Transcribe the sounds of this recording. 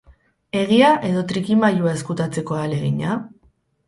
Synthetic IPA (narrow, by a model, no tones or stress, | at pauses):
e̞ɣ̞iaʔe̞ðo̞t̪ɾikimaʎuae̞skut̪at͡se̞ko̞ale̞ɣiɲa